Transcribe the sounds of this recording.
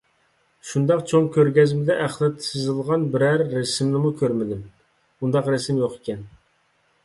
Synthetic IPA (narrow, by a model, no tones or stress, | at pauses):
ʃund̪ɑqt͡ʃʰoŋkʲʰøɾɡʲɛzmɪd̪ɛʔæχlˠɨt̪ʰsɨzɨlˠʁɑnbɪɾæɾːɛsɪmnɪmukʲʰøɾmɪd̪ɪm | und̪ɑqɾɛsɪmjoqe̥kʲɛn